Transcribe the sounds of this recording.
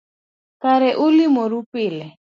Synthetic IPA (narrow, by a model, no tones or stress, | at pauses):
kʼaɾɛʔʊlimɔɾupʼɪːlɛ